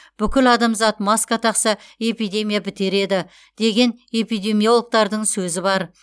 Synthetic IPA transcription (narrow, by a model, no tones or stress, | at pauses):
b̥ʏkʲɪlɑd̪ɑmzɑt̪mɑskat̪ʰɑqsɑe̞pijd̪ʲe̞mʲijabɪt̪e̞ɾe̞d̪ɪ | d̪̥e̞ɡʲe̞ne̞pijd̪e̞mʲijo̞lˠək̚t̪ɑɾd̪əɴsɵzɪbɑɾ